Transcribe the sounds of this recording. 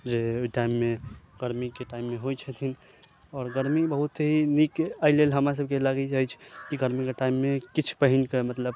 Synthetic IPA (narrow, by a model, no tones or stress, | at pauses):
d͡ʒeoiʈaimːeɡ̥əɾmikeʈaɪimːeɦojt͡ʃʰət̪ʰin | ɔːɾɡəɾmibəɦut̪ɦinikaɪlelɦəmɾas̬əb̚ʱkelaɡɛt͡ʃaɦit͡ʃʰkiɡəɾmikeʈaimːekit͡ʃʰpəɦinkemət̪ləb